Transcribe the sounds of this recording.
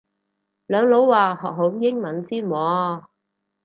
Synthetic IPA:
lœː˨˧ŋlo˨˥wːaː˨˩hɔː˨k̚ɦo˨˥mjɪ˥ŋmɐ˨˥nsiː˥nmɔː˨˧

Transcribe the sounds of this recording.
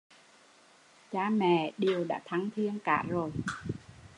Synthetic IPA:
t͡ɕaː˧mɛ̰˧˨ɗi˨˩əwɗa̰ː˧˥t̪ʰa˨˧˦ŋt̪ʰi˧ənkaː˧˩zo˨˩j

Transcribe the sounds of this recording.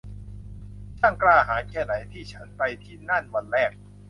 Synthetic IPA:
t͡ɕ̪ʰa˥˩klaː˧˩haː˩˦nkʰɛː˥˩na˩˦jt̪ʰiː˥˩t͡ɕʰa˦˥npa˧jt̪ʰiː˥˩na˥˩nwa˧nɾɛː˥˩k̚

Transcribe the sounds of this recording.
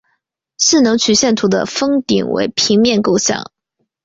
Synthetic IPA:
ʂɻ̩˥˩nɤ˧˥ŋt͡ɕʰy˨˩ɕjɛ˥˩nt̪ʰu˧˥d̪ə̰˧fɤ˥ŋt̪ḭ˨˩ŋwḛ˧˥ɪpʰi˧˥ŋmjɛ˥˧nko˥˧ʊɕjɑ̰˥˩ŋ

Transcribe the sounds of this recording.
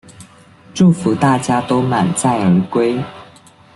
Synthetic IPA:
ʈ͡ʂu˥˩fu˨˥t̪a˥˩t͡ɕja˥t̪o˥ʊma˨˩nt͡sa˥˩ɪə˧˥kwe˥ɪ

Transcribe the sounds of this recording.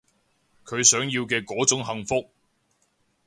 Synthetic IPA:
kʰɵ˨˧ɥsœː˨˥ŋjiː˧wkɛː˧kɔː˨˥t͡sʊ˨˥ŋɦɐ˨ŋfʊ˥k̚

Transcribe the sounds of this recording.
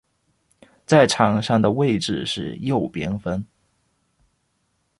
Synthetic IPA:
t͡sa˥˩ɪʈ͡ʂʰɑ˨˩ŋʂɑ˥˩ŋd̪ə˩we˥˧ɪʈ͡ʂɻ̩˧ʂɻ̩˥˧jo˥˩ʊpjɛ˥nfə˥n

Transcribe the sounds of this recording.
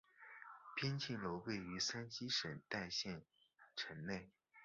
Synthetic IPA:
pʰjɛ˥nt͡ɕʰi˥˩ŋlo˧˥ʊwe˥˩ɪy˧˥sa˥nɕi˥ʂə˨˩nt̪a˥˧ɪɕjɛ˥˩n | ʈ͡ʂʰə˧˥nne˥˩ɪ

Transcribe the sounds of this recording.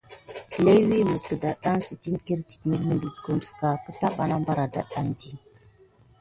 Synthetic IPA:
le˦wi˦mə˨skə˨da˨ɗa˦ŋsə˨t͡ʃi˦nki˦ɾt͡ʃi̥˨t̚mə˦ɾmə˦bi˨ɡu˦n˨ska˨kə˦ta˦ɓa˨na˦mba˦ɾa˨da̰˨ɗa˨ŋd͡ʒi˦

